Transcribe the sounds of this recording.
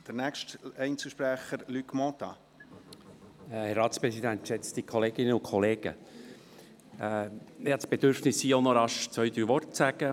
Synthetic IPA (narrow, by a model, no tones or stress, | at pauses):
d̪̥əɾnækʃtɛɪnt͡səʃpɾæχəɾlykmɔt̪ɑ̰ | hɛɾɑːtspɾɛsid̪ænt̪ʃɛt͡st̪ikʰɔleːɡɪnəʊnkʰɔleːɡ̥ə̰ | jsb̥ed̥̪ʏɾfnɪsːiːonɔɾɑʃt͡sœʏd̪ɾyːʋɔrtsæɡ̥ə